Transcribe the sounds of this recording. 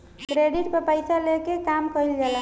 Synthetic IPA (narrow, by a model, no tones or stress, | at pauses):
kɾeɖiʈpəpəjsalekekamkəilɡela